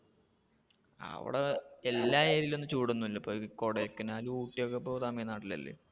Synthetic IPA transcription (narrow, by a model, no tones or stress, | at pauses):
ɐ̰ʋḭɽeelːaːe̞ːɾiile̞nːɨt͡ɕuːɽunːuilːɐpːokoɽekːɐnaːluuːʈːijokːepːoːt̪ɐmɐjɐnaːʈːilɐ̰lːḛ